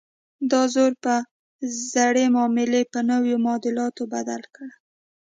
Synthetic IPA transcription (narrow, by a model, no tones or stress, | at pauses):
d̪ɑzoɾpə | zaɽemɑmɪlepənəwjomɑd̪ɪlɑt̪obad̪alkɽ